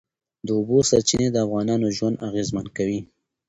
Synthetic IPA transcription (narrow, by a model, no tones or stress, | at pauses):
d̪əʊbosaɾt͡ʃined̪əafɣɑnɑnoʒwand̪aɣezmankawi